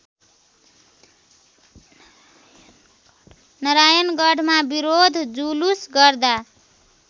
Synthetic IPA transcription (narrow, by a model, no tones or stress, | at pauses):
nʌɾajʌnɡʌɖʱmabiɾod̪ʱd͡zulusɡʌrd̪a